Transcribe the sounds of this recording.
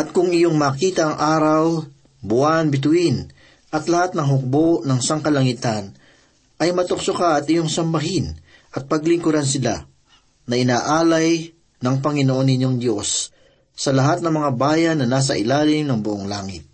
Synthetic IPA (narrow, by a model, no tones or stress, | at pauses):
ʔɐt̪̚kʊŋɪjo̞ŋmaːkiːt̪ɐʔɐŋʔaːɾɐw | bʊʔanbɪt̪̬ʊʔɪn | ʔɐt̪lɐhat̪̚nɐŋɦʊk̚bo̞ʔnɐŋɪsaŋkɐlɐŋɪt̪an | ʔɐjmɐt̪ʊk̚sokaʔɐt̪ɪjo̞ŋsɐmbɐɦɪn | ʔɐt̪̚pɐɡlɪŋkʊɾansɪla̰ | nɐʔɪnaːʔaːlɐj | nɐŋpɐŋɪnoʔo̞nɪɲjo̞ŋd̪jo̞sː | ɐlɐɦat̪̚nɐŋmɐŋabaːjɐnːɐnaːs̬ɐʔɪlaːlɪmnɐŋbʊʔoŋlaːŋɪt̪̚